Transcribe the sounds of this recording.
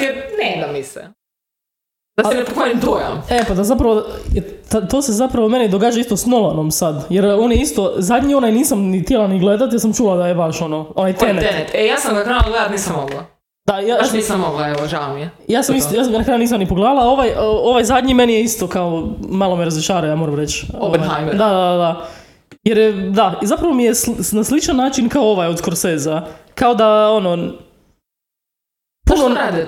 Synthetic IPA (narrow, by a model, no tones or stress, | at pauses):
ened̪amisɛ̰ | d̪̥asnepokalimd̪uja̰epad̪azapɾaʋojt̪at̪ose̞zapɾaʋome̞nid̪oɡaːd͡ʒaist̪osnolˠonomsad̪jeɾo̞ːnjeist̪o̞zad̪ɲio̞najniːsamnit̪jelˠaniɡle̞d̪at̪jasamt͡ʃuːlˠad̪ajebaʃo̞noonajt̪enenet̪ejaːsamkɾajɡledat̪niːsamoɡla | d̪ajajaːsisamoɡlajeʋoʒamiejaːsamisjaːsnakɾajuniːs̬amnipoɡlˠaːlao̞ʋajo̞ʋajzad̪ɲimenijeist̪o̞kaomalˠomijeɾazʋiʃaːɾajaːmoɾamɾet͡ʃooad̪ad̪ad̪ad̪a | jeɾjed̪azapɾaʋo̞mijesnaslˠit͡ʃanːaːt͡ʃinkaooʋajod̪koɾseːzakao̞d̪ao̞no | puunoad̪